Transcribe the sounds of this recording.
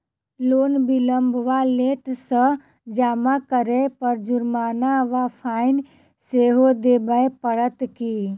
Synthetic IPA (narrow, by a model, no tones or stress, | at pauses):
loːnbiləmbʋaleʈsə̃ | d͡ʒaːmakəɾepəɾd͡ʒʊɾmaːnaʋapʰaɪn | seɦod̪eːbəjpəɾət̪ki